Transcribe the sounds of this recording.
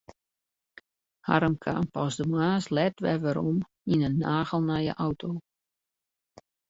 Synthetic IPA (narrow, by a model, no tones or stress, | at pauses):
ha̰ɾəmkʰa̰mpɔsdəmaːslɛtʋɛʋəɾom | inənːaːɣəlˠnajə̰ʔawtʰo